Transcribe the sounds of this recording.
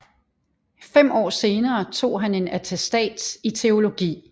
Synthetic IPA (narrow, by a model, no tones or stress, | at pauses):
fem̰ɒ̰ːse̝ːnɐːt͡sʰo̝̰ːɦæne̝næt͡sʰesd̥ɛ̰ːd̥sit͡sʰe̝o̝lo̝ɡ̥ḭː